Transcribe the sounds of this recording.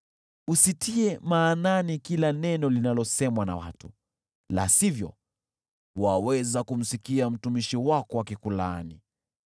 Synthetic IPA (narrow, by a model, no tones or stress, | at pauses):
usitiɛmaːnanikilanɛnɔlinalɔsɛmwana̰watu | la̰sivjɔ̰ | wawɛzakum̩sikiam̩tumiʃiwakɔwakikulani